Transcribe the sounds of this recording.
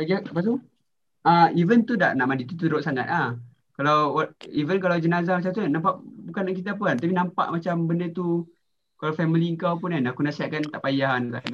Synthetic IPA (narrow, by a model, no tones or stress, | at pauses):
aɡakapast̪u | aivənt̪uda̰ʔnaʔmandit̪ut̪̬uɾoʔsaŋat̪̚la | kalawaivənk̬alawd͡ʒənazamat͡ʃamt̪unampaʔbukanak̬it̪̬ap̬əant̪apinãmpa̰ʔmat͡ʃambəndət̪u | kalafɛmiliəŋkawpunanakunasiaʔkant̪aʔpajankaʔa